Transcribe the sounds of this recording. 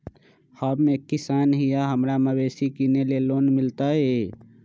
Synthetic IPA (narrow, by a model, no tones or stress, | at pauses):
həbmekisanɦijaɦəmɾaməbesikinelelonmilt̪əe